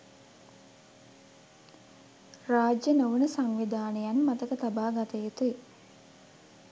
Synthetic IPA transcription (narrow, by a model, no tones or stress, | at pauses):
raːd͡ʒjənoʋunəsaŋʋid̪aːnəjanmat̪əkət̪abaːɡat̪əjet̪ue